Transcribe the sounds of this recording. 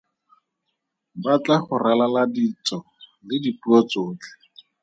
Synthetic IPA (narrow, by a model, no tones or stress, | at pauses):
bat͡ɬaχʊralaladit͡sɔ | lɪdipuɔt͡soːt͡ɬɛ̥